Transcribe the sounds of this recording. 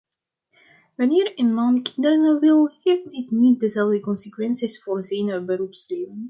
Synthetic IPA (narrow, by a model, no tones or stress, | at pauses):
ʋɑnɪːrənmɑnkɪ̥ndərnəʋɪlˠheːfditnit̚dəzɛlˠvdəkɔnsəkwɛnsisfoːrzɛjnəbəɾupsleːvən